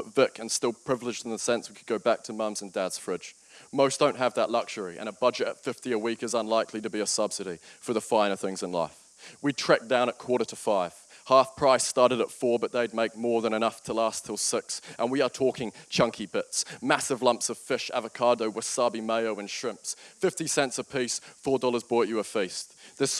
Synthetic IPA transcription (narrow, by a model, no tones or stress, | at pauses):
bʌtvɪkʰɨ̃nstɪlˠpʰɹ̥ɪvlˠɨd͡ʒ̃n̩əsɛ̃nswikʰəd̚ɡoʊbæk̚tʰəmʌ̃mzə̃n̩dædz̥fɹɪ̥d͡ʒ̥ | moʊsd̥õʊ̃nʔ̚ɦəvðəʔˡlʌkʃə˞iʔɨ̰̃ñəbʌd͡ʒɨɾɨ̰tfɪftiəwikɨzə̃nlaɪkʰliɾɨbiɨsʌb̥sɨɾifə˞ðəfãɪ̃nə˞θɪ̃ŋzɨ̃nla̰ɪf | witʰɹ̥ɛk̚d̥ãʊ̃ñət̚kʰw̥ɔɹɾə˞ɾʰəfaɪv̥hɑˑfpʰɹ̥aɪstɑɹɾɨɾətfɔɹbʌt̪̚ðeɪd̚meɪk̚mɔɹðə̃ñɨñʌftʰəlæstʰɪlˠsɪksʔə̃nwiə˞tʰɔˑkʰɪ̃ŋt͡ʃʰʌ̃ŋkʰibɪtsmæsɨvlʌ̃mpsʌv̥fɪʃæ̰vəkʰɑɹɾoʊwə̥sɑbimeɪoʊɨ̃nʃɹ̥ɪ̃mpsfɪftisɛ̃ntsʌv̥pʰisfɔːɹdɔlˠə˞zbɹɔˑt͡ʃɨəfiˑsðɪs